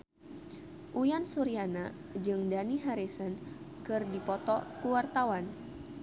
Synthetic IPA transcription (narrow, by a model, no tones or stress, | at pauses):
ʔujansuɾiana | d͡ʒɨŋdaniɦaɾesən | kɨrdipɔt̪ɔkuwart̪awan